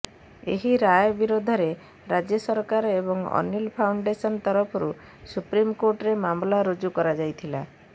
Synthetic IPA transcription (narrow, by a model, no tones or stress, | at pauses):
ḛɦiɾajbiɾod̪ʱɔɾe | ɾad͡ʒjɔsɔɾkaɾɔebɔŋɔ̰nilpʰawɳɖesɔnt̪ɔɾɔpʰɔɾu | supɾimkoʈɾemamlaɾod͡ʒukɔɾad͡ʒajt̪ʰila